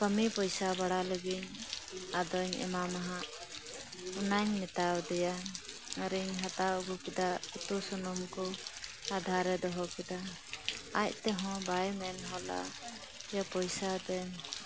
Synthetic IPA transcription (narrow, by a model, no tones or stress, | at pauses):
kəmipɔjsabaɽaləɡiɲad̪ɔɲɛ̰mamaɦaʔ | unaɲmɛt̪awd̪ɛja | əɾiɲɦat̪aɡukɛd̪aut̪usɔnɔmkɔad̪ʱaɾɛd̪ɔɦɔkɛd̪a | ac̚t̪ɛɦɔ̃bajmɛnɦɔla̰ | japɔjsad̪ɛɲ